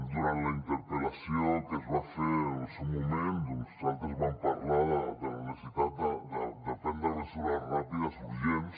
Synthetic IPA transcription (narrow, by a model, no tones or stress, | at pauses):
d̪uɾanlaint̪eɾpelasjoŋk̪ezβafesumõmẽnt̪ust̪alt̪ezβampaɾlaðad̪eneset̪ɾat̪ad̪ad̪epend̪aðesuðarapiðasufisjen